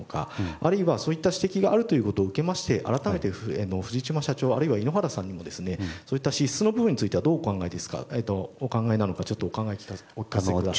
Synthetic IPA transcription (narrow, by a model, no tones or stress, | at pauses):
oka̰a̰ɾɯ̟iβasoːit̪ːaɕi̥t̪e̞kʲiɡaʔːɾɯ̟t̪o̞jiɯ̟ko̞t̪o̞ːɯ̟ke̞maɕi̥t̪e̞ʔa̰ɾat̪ame̞t̪e̞enoɸɯ̟ʑit͡ɕimaɕat͡ɕo̞ːa̰ɾɯ̟iβaino̞ɦaɾasãɲ̟ːimo̞d̪e̞sɨne̞so̞ːit̪ːaɕisːɨno̞bɯ̟bɯ̟ɲ̟ːit͡sɨit̪e̞βad̪o̞ːkãŋɡaed̪e̞sɨ̥ka̰et̪oːkãŋɡaenano̞kat͡ɕo̞t̪ːoːkãŋɡaekʲi̥okʲi̥kaseekɯd̪a